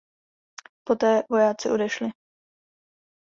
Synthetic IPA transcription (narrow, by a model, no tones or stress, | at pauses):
po̞t̪ɛːvo̞jaːt͡sɪʔo̞dɛʃlɪ